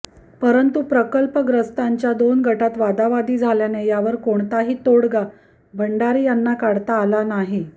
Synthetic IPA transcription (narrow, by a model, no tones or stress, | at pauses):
pəɾənt̪upɾəkəlpəɡɾəst̪aɲt͡ɕjad̪onɡʱəʈat̪ʋad̪aʋad̪iːd͡zʱaljanejaʋəɾkoɳt̪aɦiːt̪oɽɡa | bʱəɳɖaɾiːjanːakaɽt̪aːlanaɦi